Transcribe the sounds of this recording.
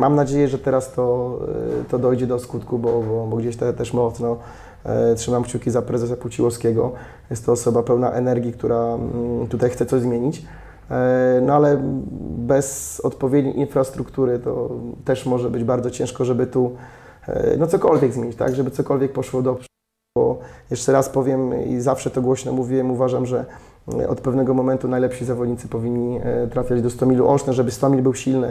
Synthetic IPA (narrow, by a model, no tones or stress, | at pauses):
mamnad͡ʑejɛʐɛt̪ɛɾast̪ɔ | t̪ɔd̪ɔjd͡ʑɛd̪ɔskut̪kubɔbɔbɔɡd͡ʑeɕt̪ɛt̪ɛʂmɔt̪snɔ | tʂɘmamkt͡ɕukʲizapɾɛzɛsaput͡ɕiwɔskʲɛɡɔ | jɛst̪t̪ɔːsɔbapɛwna̰ʔɛnɛɾɡʲikt̪uɾat̪ut̪ajxt̪sɛt̪ɔʑzmʲjeɲit͡ɕ | nɔalɛ | bɛzɔt̪pɔvʲjed̪ɲḛjʔinfɾast̪ɾukt̪uɾɘt̪ɔ̰t̪ɛʂmɔʐɛbɘd͡ʑbaɾzɔt͡ɕɛ̃ʂkɔʐɛbɘt̪ṵ | nɔt̪sɔkɔlvʲjɛɡzmʲeɲit͡ɕt̪a̰ɡʐɛbɘt̪sɔkɔlvʲjɛk̚pɔʂwɔd̪ɔp | bɔ̰jɛʂt͡ʂɛɾaspɔvʲjɛmḭzafʂɛt̪ɔɡwɔɕnɛmuvʲiwɛmuvaʐamʐɛɔ̰t̪pɛvnɛɡɔmɔmɛnt̪unajlɛpɕizavɔd̪ɲit̪sɘpɔvʲiɲːit̪ɾafʲad͡ʑd̪ɔst̪ɔmʲilṵʔɔʂnɛʐɛbɘst̪ɔmʲilbɘwɕilnɘ